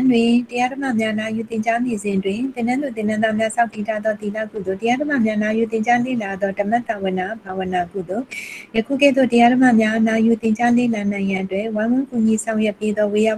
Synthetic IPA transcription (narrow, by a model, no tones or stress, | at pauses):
ndwɪ̃təjadəma̰mjanajut̪ɪ̃ɲt͡ɕanezɪ̃ʔətwɪ̃t̪ɪ̃nãd̪ðuɪ̃nãnd̪amjasʰãʊtːitʰad̪ɔt̪ila̰kṵd̪otəjadəma̰mjanajut̪ɪ̃ɲt͡ɕalḛlad̪ðɔdəmɛʔt̪ːawɪ̃nabawə̃nakṵd̪ojəkʰṵkɛ̰d̪ðo̰təjadəma̰mjaʔənajut̪ɪ̃ɲt͡ɕalḛlanãɪ̃ɡãʔətwɛʔwãwʊ̃kuɲisãʊ̃jɛpːed̪ɔweja